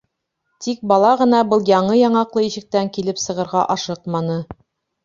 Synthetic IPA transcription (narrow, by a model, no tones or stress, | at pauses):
t̪ik̚bɑlˠɑʁɤ̆nɑbɤlˠjɑɴɤjɑɴɑqlˠɤiʃɘ̆k̚t̪æŋkilɘpsɤ̆ʁɤ̆ɾʁɑ̰ʔɑʃɤqmɑnɤ